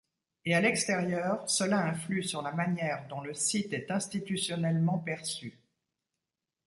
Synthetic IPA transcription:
ealɛkst̪eʁjœːʁsəlaɛ̃flysyʁlamanjɛʁd̪ɔ̃ləsit̪ɛt̪ɛ̃st̪it̪ysjɔnɛlmɑ̃pɛʁsy

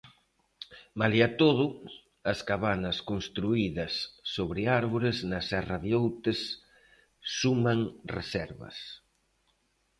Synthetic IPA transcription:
maliat̪oð̞ʊ | ɐskaβanɐskonst̪ɾuiðɐsːoβɾɪaɾβoɾɪznɐsɛrɐðjowt̪ɪsː | umaŋrḛsɛɾβɐ̰s

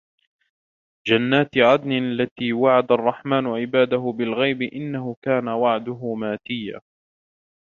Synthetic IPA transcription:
d͡ʒanːaːt̪ʕad̪nɪalːat̪iːwaʕad̪arˤːɑħmaːnʊʕɪbaːd̪aɦʊbɪlɣajbɪʔɪnːaɦʊkaːnawaʕd̪ʊɦʊmaːt̪ɪjːa̰ː

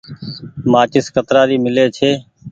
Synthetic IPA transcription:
mãːt͡ʃɪskət̪ɾaːɾiːmɪleːt͡ʃʰeː

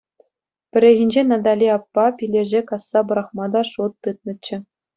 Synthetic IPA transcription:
pʲɘ̆ɾʲeɣʲĭnʲd͡ʑenɑd̪ɑlʲiɑpːɑpʲilʲeʑekɑsːɑbɤ̆ɾɑχmɑd̪ɑʂut̪ːɯt̪̚nɤ̆t͡ɕːɘ̆

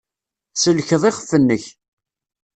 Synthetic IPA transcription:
səlçəðˤɪχəfːənːəç

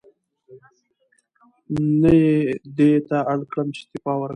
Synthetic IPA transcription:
najed̪et̪aaɽkɽəmt͡ʃɪ̥t̪ɪfɑwəɾ

